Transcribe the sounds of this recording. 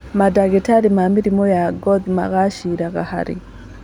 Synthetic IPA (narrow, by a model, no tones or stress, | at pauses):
madaɡɛtaɾimamiɾimɔjaɡɔðima̰ɣaʃiɾaɣa̰ha̰ɾḭ